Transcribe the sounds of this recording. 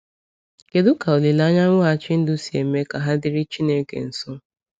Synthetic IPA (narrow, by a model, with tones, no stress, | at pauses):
ke˨dʊ˦ka˨o˨li˨la˦ɲa˦ŋʷʊ˦a˦˨t͡ʃɪ˦n̩˦dʊ˦si˨e˨me˦ka˨ɦa˦dɪ˦ɾɪ˦t͡ʃi˦ne˦kḛ˨n̩˨sʊ˦